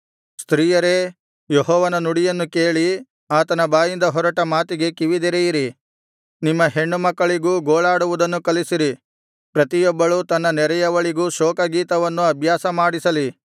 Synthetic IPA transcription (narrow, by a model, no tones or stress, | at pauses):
st̪ɾiːjɐɾe̞ | jeɦɔːʋɐnɐnuɽijɐnːuke̞ːɭi | aːt̪ɐnɐbaːjind̪ɐɦɔɾɐʈɐmaːt̪iɡe̞kiʋid̪iɾɛjiɾi | nimːɐɦe̞ɳːumɐkːɐɭiɡuːɡoːɭaːɽuʋud̪ɐnːukɐlisiɾi | pɾɐt̪ijɔbːɐɭut̪ɐnːɐnɛɾɛjɐʋɐɭiɡuːʃɔːkɐɡiːt̪ɐʋɐnːuɐbʱjaːsɐmaːɽisɐli